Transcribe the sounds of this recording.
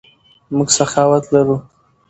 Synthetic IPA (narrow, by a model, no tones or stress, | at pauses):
mʊɡsaxɑwat̪laɾu